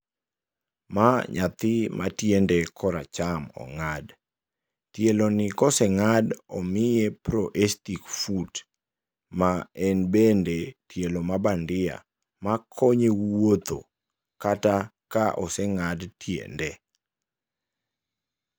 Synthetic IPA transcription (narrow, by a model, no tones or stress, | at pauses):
maɲat̪ɪmʔa̰tjendekʰɔɾa̰t͡ʃamɔ̰ŋad | tjelonɪkɔsɛŋadɔmɪjepɾoʔestikfut | maɛnbendetjelomabandɪa̰ | makʰoɲewot̪o̰ | katakaʔɔsɛŋadtjḛnde